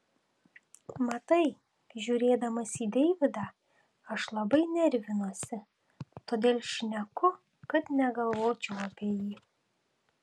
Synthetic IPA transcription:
mɐt̪ɐɪ | ʒʲuːɾʲeːd̪ɐmɐsʲiːd̪ʲɛɪʋʲɪd̪ɑː | ɐʃlˠɐbɐɪnʲɛɾʲʋʲɪnuɔsʲɪ | t̪oːd̪ʲeːlʲˠʃʲnʲɛkʊ | kɐt̪nʲɛɡɐlˠʋoːt͡ʃʲɛʊɐpʲiɛjiː

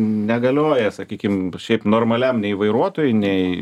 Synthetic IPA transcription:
nʲɛɡɐlʲoːjɛsɐkʲiːkʲɪmʃʲɛɪpnoːrmɐlʲɛmnʲɛɪʋɐɪɾuɔt̪oːjʊnʲɛɪ

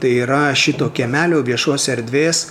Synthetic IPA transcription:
t̪ɐɪiːɾɐʃʲɪt̪oːkʲɛmʲæːlʲoːʋʲiɛʃoːsʲɛɾʲd̪ʲʋʲeːss

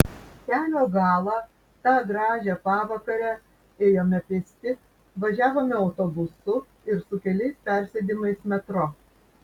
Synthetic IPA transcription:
t̪ʲæːlʲoːɡɑːlˠɑ | t̪ɑːɡɾɑːʒʲɛːpɑːʋɐkɐɾʲɛ | eːjoːmʲɛpʲɪsʲt̪ʲɪ | ʋɐʒʲæːʋoːmʲɛɒʊt̪oːbʊsʊ | ɪɾsʊkʲɛlʲɛɪspʲæˑɾʲsʲɛd̪ʲimɐɪsmʲɛt̪ɾɔ

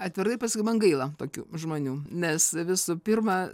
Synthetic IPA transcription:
ɐt̪ʲʋʲɪɾtɐɪpɐskʊɪmɐnɡɐɪlˠɐt̪oːkʲṵːʒmoːnʲuːnʲɛsʋʲɪsuːpʲɪrmɐ

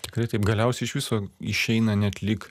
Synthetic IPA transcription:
t̪ʲɪkɾɐɪt̪ɐɪpɡɐlʲɛʊsʲɛɪɪʃʋʲɪsoːɪʃʲɛɪnɐnʲɛt̪ʲlʲɪk

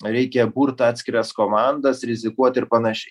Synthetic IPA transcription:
ɾʲɛɪkʲɛbuːɾt̪ɑːt̪ʲsʲkʲɪɾɐskoːmɑˑnd̪ɐsɾʲɪzʲɪkuɔt̪ʲɪɾpɐnɐʃʲɛɪ

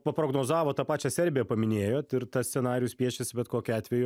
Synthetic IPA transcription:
pɐpɾoːɡnoːzɑːʋoːt̪ɑpɑːt͡ʃʲɛsʲɛɾʲbʲɪjɛpɐmʲɪnʲeːjoːt̪ɪɾt̪ɐsʲt̪sʲɛnɑːɾʲɪjusʲpʲiɛʃʲesʲɪbʲɛt̪koːkʲʊɑːt̪ʲʋʲɛjʊ

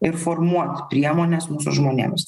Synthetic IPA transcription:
ɪɾfoɾmuɔt̪pʲɾʲiɛmoːnʲɛsmuːsʊ̰ʒmoːnʲḛːms

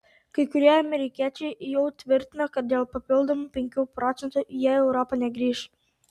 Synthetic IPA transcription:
kɐɪkʊɾʲiɛɐmʲɛɾʲɪkʲiːt͡ʃʲɛɪjɛʊt̪ʲʋʲɪɾʲt̪ʲɪnɐkɐt̪̚dʲeːlˠpɐpʲɪlˠd̪omupʲɛŋʲkʲuːpɾɔːt̪sʲɛnt̪ujɛɛʊɾɔpɐnʲɛɡɾʲiːʃ

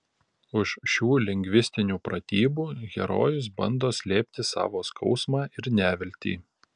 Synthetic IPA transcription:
ʊʃʃʲuːlʲɛŋʲɡʲʋʲɪsʲt̪ʲɪnʲuːpɾɐt̪ʲiːbuːɡʲɛ̰ɾo̰ːjʊs̬bɐnd̪oːsʲlʲeːpʲt̪ʲɪsɑ̰ːʋoːskʰɒʊsmɑːʔɪɾnʲæːʋʲɪlʲt̪ʲḭː

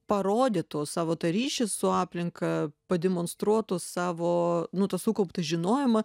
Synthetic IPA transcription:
pɐɾoːd̪ʲeːt̪oːssɑːʋoːt̪ɐɾʲiːʃʲɪssʊɑːpʲlʲɪŋkɐpɐd̪ʲɛmoːnst̪ɾuɔt̪ossɑːʋoːnʊt̪ɐsukɐʊpt̪ɐʒʲɪnoːjɪmɐ

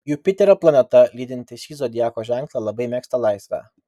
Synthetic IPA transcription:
juːpʲɪt̪ʲɛɾoːplˠɐnʲɛt̪ɐlʲiːd̪ʲɪnʲt̪ʲɪʃʲiːzoːd̪ʲɪjæːkoːʒʲæŋklˠɑlˠɐbɐɪmʲeːkst̪ɐlˠɑɪsʲʋʲæ̰ː

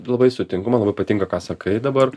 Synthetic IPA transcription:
lˠɐbɐɪsʊt̪ʲɪŋkʊmɐnlˠɐbɐɪpɐt̪ʲiŋkɐkɑːsɐkʰɐɪd̪ɐbɐr

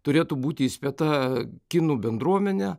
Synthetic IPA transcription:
t̪ʊɾʲeːt̪ubuːt̪ʲɪɪsʲpʲɛt̪ɐkʲɪnuːbʲɛnd̪ɾuɔmʲɛnʲɛ

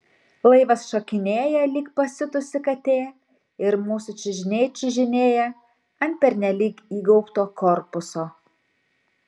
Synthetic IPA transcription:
lˠɐɪʋɐsʃokʲɪnʲeːjɛlʲiːkpɐsʲɪt̪ʊsʲɪkɐt̪ʲeː | ɪɾmuːsʊt͡ʃʲɪʒʲɪnʲeːt͡ʃʲɪʒʲɪnʲeːjɛ | ɐnʲt̪̚pʲɛɾʲnʲɛlʲiːkiːɡɒʊpt̪oːkɔɾpʊsoː

